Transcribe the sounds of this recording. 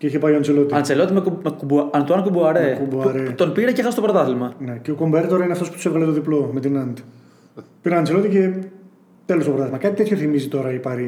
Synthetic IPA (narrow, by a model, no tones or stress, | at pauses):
ceiçepajoɐnt͡selo̞t̪iɐnt͡selo̞t̪imemekubuɐnt̪uɐnkubuɐɾekubuɐɾet̪onpiɾecexɐst̪oɾot̪ɐθilmɐne̞ceoko̞mbeɾt̪o̞ɾɐineɐft̪ospu̥t̪usevɣɐlet̪o̞ðiplo̞me̞t̪inɐnd̪i̥ | piɾɐɐnt͡selo̞t̪ice | t̪elo̞st̪opɾot̪ɐθimɐkɐt̪it̪eçoθimizit̪o̞ɾɐipɐɾi